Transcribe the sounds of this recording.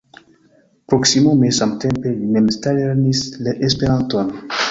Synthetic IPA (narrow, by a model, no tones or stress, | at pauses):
pɾoksimomesamtempelinemstaleɾnisleʔespeɾantan